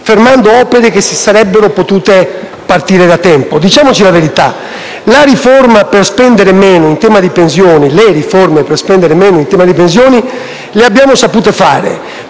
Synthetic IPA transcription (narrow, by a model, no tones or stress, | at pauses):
feɾmand̪oɔːpeɾek̟esi̥saɾɛbːeɾopot̪uːt̪e | part̪iːɾed̪at̪ɛmpod̪it͡ʃaːmot͡ʃilaveɾit̪a̰ | laɾifoɾmaperspɛnd̪eɾemɛːnoint̪ɛːmad̪ipens̬jɔːnileɾiformeperspɛnd̪eɾemɛːnʊint̪ɛːmad̪ipens̬jɔːni | leabːjaːmosapuːt̪efa̰ːɾḛ